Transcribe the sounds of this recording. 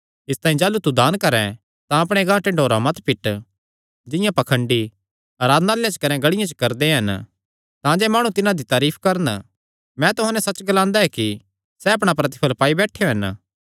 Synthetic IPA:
ɪst̪aːĩd͡ʒaːlut̪ud̪aːnkɐɾɛ̃ | t̪ãɐp̬ɽ̃eɡãːʈeɖʱoːɾamɐt̪pɪʈ | d͡ʒɪ̃jãpɐkʰə̃ɳɖi | aːɾaːd̪naljãt͡ʃkɐnɛ̃ɡɐɽɪjãt͡ʃkɐɾd̪eɦɐn | t̪ãd͡ʒɛmaːɽ̃ũt̪ɪnãd̪it̪aːɾiːpʰkɐɾən | mɛ̃t̪ʊɦãnɛsɐt͡ʃɡɐlãːnd̪aɛki | sɛɐp̬ɽ̃apɾɐt̪̬ɪ̥pʰəlpaːibɛːʈʰːejoɦɐn

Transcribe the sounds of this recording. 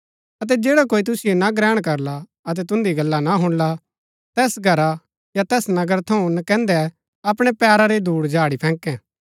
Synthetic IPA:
ɐt̪̬ɛd͡ʒeːɽakoːit̪̬ʊsɪjonaɡɾɛːɽ̃kɐɾla | ɐt̪̬ɛt̪ʊ̃nd̪iɡɐlːanaɦʊ̃ɽ̃la | t̪ɛːsɡʱɐɾa | jat̪ɛːsnɐɡəɾt̪ʰɐũnɐkɛ̃ːnd̪ɛ | ɐpɽ̃ɛpɛːɾaɾed̪uːɽd͡ʒʱaːɽipʰɛ̃ːŋkɛ̃ː

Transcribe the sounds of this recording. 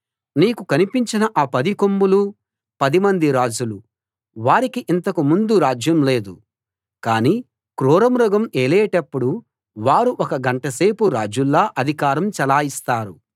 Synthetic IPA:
niːkukɐnipiɲt͡ʃinɐʔaːpɐd̪ikombulu | pɐd̪imɐnd̪iɾaːd͡ʒulu | ʋaːɾikiʔint̪ɐkumund̪uɾaːd͡ʒjɐmle̞ːd̪u | kaːniː | kɾuːɾɐmɾɔɡɐmeːlɛjɐʈɐpːuɽu | ʋaːɾuʔɔkɐɡɐɳʈɐse̞ːpuɾaːd͡ʒulːaːʔɐd̪ʱikaːɾɐmt͡ʃɐlaːist̪aːɾu

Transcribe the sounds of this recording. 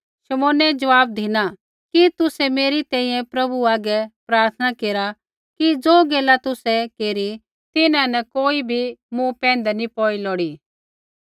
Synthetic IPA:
ʃɐmoːnɛd͡ʒɐʋaːb̚d̪ʱina | kit̪ʊsɛmeːɾit̪ɛ̃ːĩjɛ̃pɾɐbuaːɡɛpɾaːɾt̪ʰnakeːɾa | kid͡zoːɡeːlat̪ʊsɛkeːɾi | t̪ɪnãnɛkoːibʱimũpɛ̃ːnd̪ɛnipɔːilɔːɽiː

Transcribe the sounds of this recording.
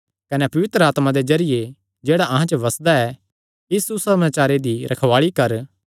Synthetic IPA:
kɐnɛpɐʋɪt̪ɾəaːt̪mãd̪ezɐɾɪje | d͡ʒeːɽaʔɐɦãt͡ʃəʋɐsd̪aɛ | ɪsusɐmaːt͡ʃaːɾed̪iɾʔɐkʰʋaːɭikɐɾ

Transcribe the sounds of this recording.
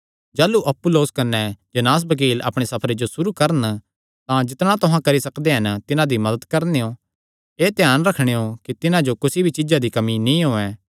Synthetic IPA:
d͡ʒaːluʔɐpːʊloːskɐnɛd͡ʒɐnaːs̬bɐk̬iːlɐ̰pɽ̃esɐpʰɾed͡ʒosʊɾukɐɾən | t̪ãd͡ʒɪt̪ɽ̃ãt̪ʊɦãkɐɾisɐkd̪eɦɐnt̪ɪnãd̪imɐd̪əd̪kɐɾneo | eːt̪ɛjaːnɾɐkʰɽ̃eɦokit̪ɪnãd͡ʒokʊsibʱit͡ʃɪd͡ʒad̪ikɐminĩɦoːɛ

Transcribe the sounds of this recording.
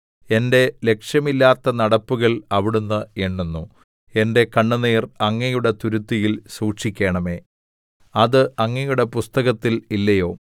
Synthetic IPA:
e̞nde̞le̞kʂjɐmilːaːt̪ːɐnɐɽɐpːuɣɐɭɐʋiɽunːɨeɳːunːu | e̞nde̞kɐɳːɨneːrɐŋːɐjuɽe̞t̪uɾut̪ːijilsuːʂikʲːe̞ːɳɐme̞ː | ɐðɨɐŋːɐjuɽe̞pust̪ɐɣɐt̪ːililːɐjo̞ː

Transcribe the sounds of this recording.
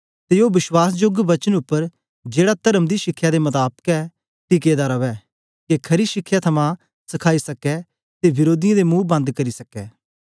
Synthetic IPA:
t̪eoːbɪswaːsd͡ʒʊɡbɐt͡ʃənʊpːəɾ | d͡ʒeːɽat̪ɐɾəmd̪iʃɪkʰːjad̪emɐt̪aːb̚kɛː | t̪iːk̬eːd̪aɾɐʋɛː | kekʰɐɾiʃɪkʰːjat̪ʰɐmã | sɐkʰaːisɐkɛ | t̪eʋɪɾoːd̪ɪjãd̪emũːbɐ̃nd̪kɐɾisɐkɛː

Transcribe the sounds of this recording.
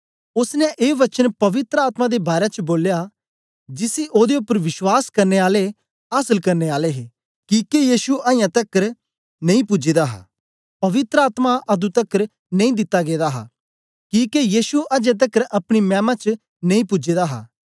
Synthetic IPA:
ʊsnɛ̃ʔeːʋɐt͡ʃənpɐʋɪt̪ɾəaːt̪mãd̪ebaːɾet͡ʃboːlja | d͡ʒɪsiʔoːd̪eʊpːəɾʋɪʃwaːskɐɾneaːle | aːsəlkɐɾneːaːleɦeː | kikejiːʃuaːjãt̪ɐkəɾ | nɐ̃ĩpʊd͡ʒid̪aɦa̰ː | pɐʋɪt̪ɾəaːt̪maʔɐd̪ut̪ɐkːəɾ | nɐ̃ĩd̪ɪt̪ːaɡeːd̪aɦa̰ː | kiːkejiːʃuɐd͡ʒẽt̪̬ɐkəɾɐpɽ̃imɛ̃ːmãt͡ʃ | nɐ̃ĩpʊd͡ʒeːd̪aɦa̰ː

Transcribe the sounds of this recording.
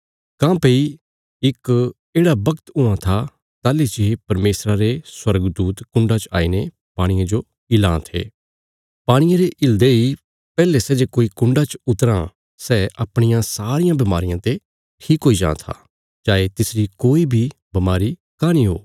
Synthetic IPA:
kãːpei | ɪk | eːɽabɐkt̪ʊãt̪ʰa | t̪aːlid͡ʒeɦepɐɾmeːsɾaɾeswɐɾɡd̪uːt̪kʊ̃ɳɖat͡ʃa̰ːine | paːɽ̃ɪjãd͡ʒo | ɪlãːt̪ʰḛː | paːɽ̃ɪjãɾeʔɪld̪ei | pɛːlesɛːd͡ʒekoːikʊ̃ɳɖat͡ʃʊt̪ɾã | sɛːʔɐpɽ̃ɪjãsaːɾɪjãbɐmaːɾɪjãt̪e | ʈʰiːkɦoːid͡ʒã̰ːt̪ʰa̰ | d͡ʒaːet̪ɪsɾikoːibʱi | bɐmaːɾi | kaːñiɦo̰ː

